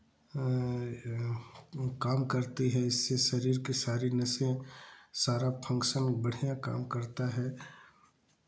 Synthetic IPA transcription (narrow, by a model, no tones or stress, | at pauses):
kaːmkɐɾt̪iɦɛɪsːeʃɐɾiːɾkesaːɾinɐsẽsaːɾapʰɐ̃ŋkʃənbɐɽ̤ijaka̰ːmkɐɾt̪aɦɛː